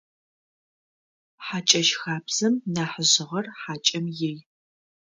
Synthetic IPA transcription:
ħat͡ʃʼɐʃxaːbz̥ɐmnaːħəʑɪʁɐrħaːt͡ʃʼɐmjej

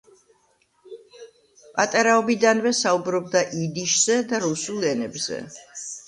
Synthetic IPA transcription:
pʼat̪ʼaɾaɔbid̪anvɛsaubɾɔb̚d̪aʔid̪iʃz̥ɛd̪aɾusulˠɛnɛbzɛ̰

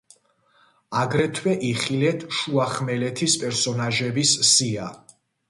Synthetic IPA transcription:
aɡɾɛt̪ʰwɛʔiχilɛt̪ʰʃuaχmɛlɛt̪ʰispʼɛɾsɔnaʒɛbissia

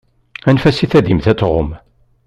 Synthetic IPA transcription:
ænfæsiθæðimθæt͡sːʁʊ̰m

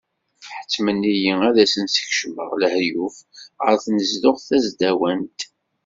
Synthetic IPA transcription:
fħə̥t͡sːmənːijiæðæsənsə̥çʃmə̰ʁləhjufʁə̰ɾθnəzlʊʁθæzd̪æwænt̪

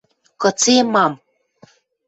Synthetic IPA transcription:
kɤ̆t͡semɑm

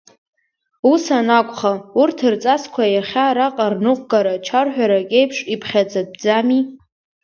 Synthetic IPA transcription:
usanakʷʼχaurtʰɨrt͡sʼaskʷʰajaχʲaɾaqʼarnɨqʷʼɡaɾat͡ʃʰarħʷᶣaɾakʲʼe̞jpʰʂipʰχʲad͡zad̚bd͡zami

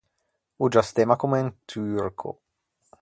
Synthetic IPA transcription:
ud͡ʒast̪emakumnt̪ʰyrkʰo̰

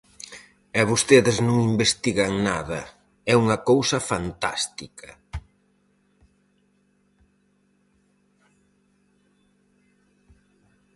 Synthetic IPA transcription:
aβost̪eðɪznõŋimbest̪iɣɐŋnaðɐ̰ | ɛuŋɐkowsɐfant̪a̰st̪ikʰɐ

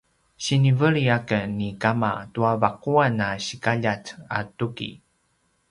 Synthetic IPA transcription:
ɕinivəɭiakənikamatuavaquanaɕikaʎat͡sa̰tukḭ

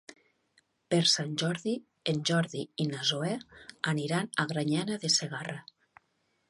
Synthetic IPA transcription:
peɾsanʲʒɔɾði | enʲʒɔɾðiinazoɛaniɾanaɣɾaɲanaðeseɣara

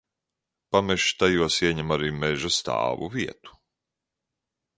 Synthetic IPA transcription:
pamɛʃt̪ajuɔsiɛɲɛmaɾiːmɛʒast̪ɑ̰ːvṵviɛt̪u̥

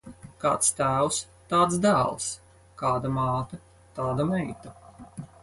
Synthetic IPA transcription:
ka̰ːt̪st̪æːws | t̪aːt̪sd̪æːlˠs | kaːd̪amɑːt̪ɐ | t̪aːd̪amɛjt̪ɐ

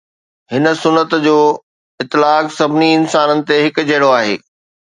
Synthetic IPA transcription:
hɪnə̆sʊnːət̪d͡ʑoː | ɪt̪ːɪlaːksɐbʱɪniɪnsaːnənɪ̆t̪eɦɪkd͡ʑɐɽoaːɦḛː

